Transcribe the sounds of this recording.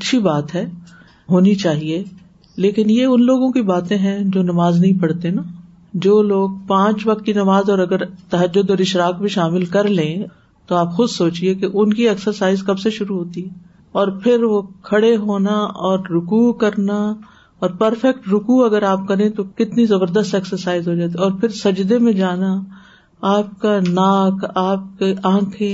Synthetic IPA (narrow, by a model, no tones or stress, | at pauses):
ɐtːʃʰibaːt̪ɦɛː | ɦoːnit͡ʃaːɦie | leːkɪnjeʊnloːɡõkibaːt̪ẽɦɛ̃d͡ʒoːnɐʋaːznɐɦĩpɐɽt̪ena | d͡ʒoːloːɡ̚pãːt͡ʃʋɐk̚t̪̚kinɐʋaːzɔːɾɐɡəɾt̪ɐɦəd͡ʒːʊd̪ɔːɾɪʃɾaːk̚bʱiʃaːmɪlkɐɾlẽː | t̪oaːpxʊd̪soːt͡ʃiekeʔʊnkiɐksəɾsaːɪzkɐbseʃʊɾuɦoːt̪iɦɛː | ɔːɾpʰɪɾʋokʰɐɽeɦoːnaɔːɾːʊkukɐɾna | ɔːɾpɐɾfɛk̚ʈɾʊkuɐɡəɾaːp̚kɐɾẽt̪okɪt̪nizɐbəɾd̪əst̪ɛksəɾsaːɪzɦoːd͡ʒaːt̪̬iɔːɾpʰɪɾsɐd͡ʒd̪emẽd͡ʒaːna | aːp̚kanaːkʰaːp̚keʔãːkʰẽ